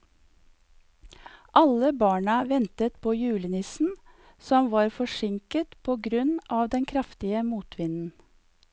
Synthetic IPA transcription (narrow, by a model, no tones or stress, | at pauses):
ʔɑləbɑːɳəʋɛnt̪ət̪pʰoːjʉːlənɪsn̩ | sɔmʋɑːɾfɔʃɪŋkət̪pʰoːɡɾʉnʔɑːʋd̪ɛnkʰɾɑft̪ɪəmuːt̪ʰʋɪnn̩